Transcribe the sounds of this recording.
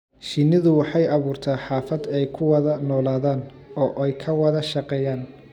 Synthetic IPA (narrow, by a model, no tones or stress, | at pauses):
ʃinɪðʊwɑħɑjɑβuːrt̪ʰaːħɑːfɐd̪ɛjkʰʊwɐðɐnɔːlaːðaːn | ɔːʔɛjkʰɐwɑðɐʃɑqɛːjaːn